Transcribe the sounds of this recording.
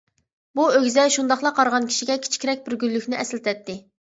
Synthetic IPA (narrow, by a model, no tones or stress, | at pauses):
buøɡʲzɛʃund̪ɑχlˠɑqʰɑɾʁɑnkʲʰi̥ʃiɡʲɛkʲʰi̥t͡ʃʰkʲʰiɾɛk̚ʲbɪɾɡʲylːykʲnɪʔɛslt̪ʰɛt̪ʰːɪ